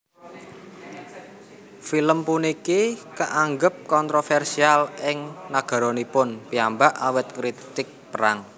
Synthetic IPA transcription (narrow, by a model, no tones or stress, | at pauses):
filəmpunikikəʔaŋɡəp̚kɔnt̪ɾofɛrsialɪŋnaɡ̥a̤ɾonipʊnpiambaʔawət̪̚kɾit̪ɪk̚pəɾaŋ